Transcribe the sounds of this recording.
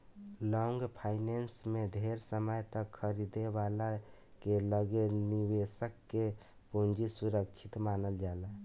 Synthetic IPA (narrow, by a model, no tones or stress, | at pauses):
lɔŋɡpʰaɪnensmeɖʱeɾsəməjt̪əkʰːəɾid̪ebalakeləɡenibesəkːe | pund͡ʒisuɾəkt͡ʃʰit̪manəld͡ʒala